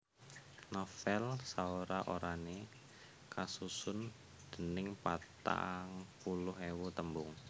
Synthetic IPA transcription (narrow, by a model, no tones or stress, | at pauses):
nɔfɛlsaoɾaʔoɾane | kasusʊn | d̪̥ə̤nɪŋpat̪a̰ŋpulʊhewut̪əmbʊŋ